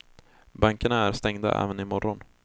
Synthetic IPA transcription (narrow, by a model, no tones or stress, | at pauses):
baŋkəɳaæɾst̪ɛŋd̪a̰ʔɛ̰ːvənɪmɔɾɔn